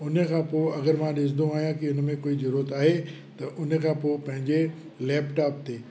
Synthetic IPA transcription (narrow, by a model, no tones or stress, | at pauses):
ʊnə̆kʰãːpoːɐɡəɾmãɗɪs̬d̪ũaːɦijãkiʊn̆mẽkoːizɐɾuːɾət̪aːɦe | t̪ɐʔʊnəkʰãːpoːpɐ̃ɦɪ̃ɲd͡ʑe | lɛːpʈaːp̚t̪eː